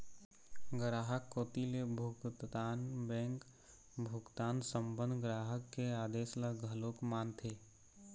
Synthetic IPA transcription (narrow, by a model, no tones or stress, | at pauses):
ɡɾaːɦəkːoːt̪ilebʱʊɡt̪t̪aːnbɛ̃ːŋk | bʱʊɡt̪aːnsə̃mbə̃nd̪ɡɾaːɦəkːeaːd̪eːslaɡʱəlokmaːnt̪ʰeː